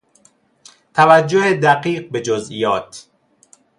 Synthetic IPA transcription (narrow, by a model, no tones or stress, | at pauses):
t̪ʰævæd͡ʒːohed̪æqiːɢ̚be̞d͡ʒozʔiːjɒːt̪ʰ